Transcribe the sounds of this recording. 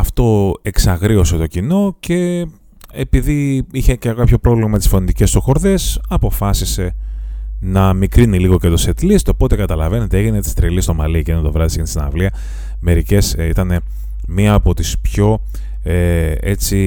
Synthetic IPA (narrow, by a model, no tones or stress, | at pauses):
ɐft̪o̞e̞ksɐɣɾio̞se̞t̪o̞cino̞ce̞ | epiðiiçe̞cekɐpço̞pɾo̞vlimɐet̪isfo̞nit̪ice̞st̪oxo̞ɾðe̞sɐpo̞fɐsise̞ | nɐmikɾiniliɣo̞ce̞t̪o̞set̪list̪o̞po̞t̪e̞kɐt̪ɐlɐve̞ne̞t̪eeʝinet̪i̥st̪ɾilist̪o̞mɐlicent̪ovɾɐðisenst̪inɐ̰vliɐ | me̞ɾice̞sit̪ɐne̞ | miɐːpo̞t̪ispço̞ | ee̞t͡si